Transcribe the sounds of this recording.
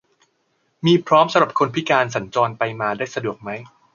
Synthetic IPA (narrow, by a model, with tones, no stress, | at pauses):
miː˧pʰɾɔː˦˥msa˧mɾa˨˩p̚kʰo˧npʰi˦˥kaː˧nsa˩˦nt͡ɕɔː˧npa˧jmaː˧daː˥˩jsa˧du˨˩ək̚ma˦˥j